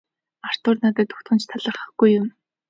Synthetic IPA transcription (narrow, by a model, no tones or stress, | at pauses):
ar̥t̪ʊːrnat̪ə̆ːt̪ːʊ̥xt̪χə̆nt͡ɕt̪ʰaɮə̆rχə̆χɡ̥ujʊm